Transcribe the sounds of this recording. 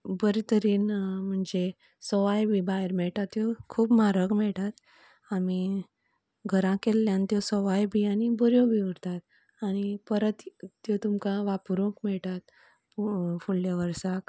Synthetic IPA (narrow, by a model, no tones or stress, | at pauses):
bəɾit̪əɾiːnm̤əɳd͡ze | sɔʋajbibaɦeɾmɛɭʈat̪ːjokʰuːbmaɾəkmɛɭʈ̪at̪ | ami | ɡʱəɾãkelːjãnt̪josɔʋajbiañibɔɾjobʱiuɽt̪at̪ | añipəɾət̪t̪jot̪umkaʋapuɾõkmɛɭʈat̪ | fuɭljaʋəɾsak